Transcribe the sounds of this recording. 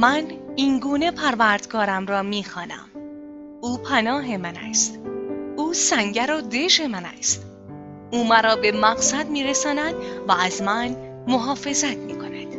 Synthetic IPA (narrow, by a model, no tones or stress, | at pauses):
mæniːnɡuːne̞pʰæɾvæɾd̪̥ɡɒːɾæmɾɒːmiːxɒːnæ̰m | uːpʰænɒːɦe̞mænæ̰st̪uːsæŋɟæɾod̪e̞ʃe̞mænæ̰st̪ | uːmæɾɒːbe̞mæɣsæd̪miːɾesɒːnæd̪væːzmæn | moɦɒːfe̞zæt̪ʰmiːkʰo̞næd̪̥